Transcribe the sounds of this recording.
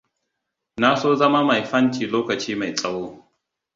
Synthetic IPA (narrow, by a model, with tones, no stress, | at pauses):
na˦soː˦zɐ˦ma˦ma˨jɸɐ˦ntiː˨loː˦kɐ˨t͡ʃiː˦ma˨jsʼɐ˦woː˦